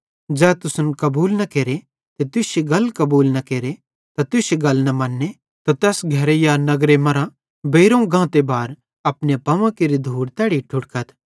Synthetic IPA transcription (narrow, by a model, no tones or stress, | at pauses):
d͡ʒɛːt̪ʊsʊnkɐbuːlnɐkeːɾe | t̪et̪ʊseɡɐlkɐbuːlnɐkeːɾe | t̪at̪ʊseɡɐlnɐmɐ̃nːe | t̪ot̪ɛːsɡʱɐɾejanɐɡɾemɐɾã | beːɾõɡãːt̪ebaːɾ | ɐpnepɐʋãkeɾid̪ʱuːɽt̪ɛːɽiʈʰʊɽkət̪ʰ